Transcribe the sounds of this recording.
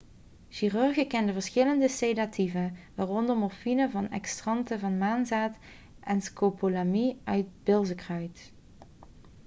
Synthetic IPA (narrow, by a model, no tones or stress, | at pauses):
ʃiryɹɣəkɛndəvəɹsχɪləndəsedatʰivəʋaːrɔndəɹmɔɹfinəvɑnɛ̰kstrɑntəvɑnmaːnzaːt | ʔɛnskopolamiœɥt̚bɪlˠzəkrœɥt